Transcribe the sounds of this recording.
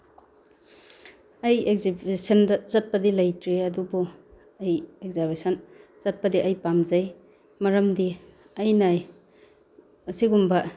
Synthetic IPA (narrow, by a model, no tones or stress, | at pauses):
ɐjek̚zibesɐndɐzɐt̚pɐdilɐjtɾeɐdubɔ | ɐjekzabesɐnzɐt̚pɐdiʔɐjpamzɐj | mɐɾɐmdi | ɐjnaj | ɐsiɡumbɐ